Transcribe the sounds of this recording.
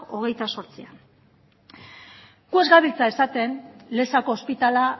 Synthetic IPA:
o̞ɣ̞e̞jt̪aso̞ɾt͡sian | ɡue̞zɡaβilt͡sae̞sat̪e̞nle̞sako̞ːspit̪ala

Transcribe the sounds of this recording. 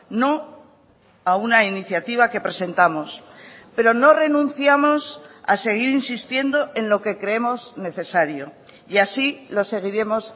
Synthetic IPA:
no̞ | aunainiθjat̪iβ̞ake̞pɾe̞se̞nt̪amo̞spe̞ɾo̞no̞re̞nũnθjamo̞sa̰se̞ɣ̞iɾinsist̪je̞nd̪o̞ʔe̞nlo̞ke̞kɾeemo̞zne̞θe̞saɾjo | jasilo̞se̞ɣ̞iɾe̞mo̞s

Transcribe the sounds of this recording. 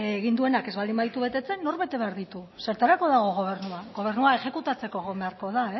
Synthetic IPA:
ɣind̪ue̞nake̞zβald̪imbaðit̪uβe̞t̪e̞t͡se̞nːo̞ɾβe̞t̪e̞βe̞aɾðit̪u | se̞ɾt̪aɾako̞ðaɣ̞o̞ɣ̞o̞β̞e̞ɾnuaɣo̞β̞e̞ɾnuae̞xe̞kut̪at͡se̞ko̞ɣo̞meaɾko̞ð̞ae

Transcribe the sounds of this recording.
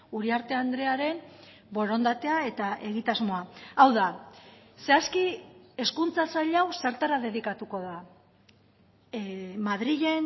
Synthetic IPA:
uɾiaɾt̪e̞and̪ɾe̞aɾe̞n | bo̞ɾo̞nd̪at̪e̞ae̞t̪aʔe̞ɣit̪azmo̞aawða | se̞askie̞skunt͡sasaʎawse̞ɾt̪aɾaðe̞ðikat̪uko̞ð̞a | maðɾiʎe̞n

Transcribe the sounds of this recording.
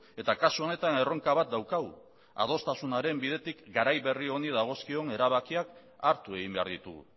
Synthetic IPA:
e̞t̪akasuo̞ne̞t̪ane̞ro̞ŋkaβat̪̚d̪awkaɣu | a̰ð̞o̞st̪asunaɾe̞mbið̞e̞t̪ikɡaɾajβe̞rio̞nið̞aɣ̞o̞skio̞ne̞ɾaβakiak | aɾt̪ue̞ɣ̞imbe̞a̰ɾðit̪uɣṵ

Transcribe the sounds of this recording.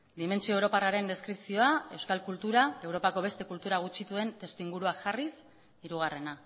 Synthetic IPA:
d̪ime̞nt͡sio̞ewɾo̞paraɾe̞nd̪e̞skɾipsio̞ae̞wskalkult̪uɾae̞wɾo̞pako̞β̞e̞st̪e̞kult̪uɾaɣ̞ut͡ʃit̪ue̞nt̪e̞st̪uiŋɡuɾuaʝaris | iɾuɣ̞are̞na

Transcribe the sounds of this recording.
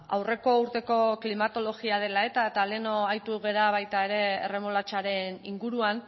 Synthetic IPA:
a̰wre̞ko̞uɾt̪e̞ko̞klimat̪o̞lo̞ɣiað̞e̞lae̞t̪aet̪ale̞no̞ajt̪uɣe̞ɾaβajt̪ae̞ɾe̞̰ːre̞molat͡ʃaɾe̞niŋɡuɾuan

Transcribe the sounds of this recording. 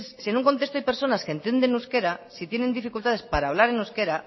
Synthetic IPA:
ssie̞nũŋko̞nt̪e̞st̪oajpe̞ɾso̞naskent̪je̞nd̪ẽ̞nuske̞ɾasit̪je̞ne̞nd̪ifikult̪aðe̞spaɾaːβlaɾe̞nuske̞ɾa

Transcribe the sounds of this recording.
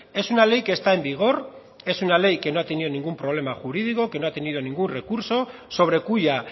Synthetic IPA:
e̞sunale̞jke̞st̪aembiɣ̞o̞ɾ | e̞sunale̞jke̞no̞at̪enio̞nĩŋɡumpɾo̞β̞le̞maxuɾið̞ikoke̞no̞at̪e̞niðo̞nĩŋɡunre̞kuɾso̞ | so̞β̞ɾe̞kuʎa

